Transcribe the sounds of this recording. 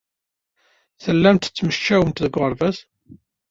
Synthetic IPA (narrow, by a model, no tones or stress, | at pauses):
θəlːæmt̪t͡sːməʃːæwəmt̪ðəɡʷʁəɾˤvæs